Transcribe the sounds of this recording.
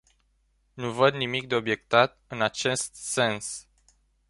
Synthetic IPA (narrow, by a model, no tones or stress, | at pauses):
nuvəd̪nimik̚d̪e̞o̞bje̞kt̪at̪̚ɨnat͡ʃe̞st̪̚se̞ns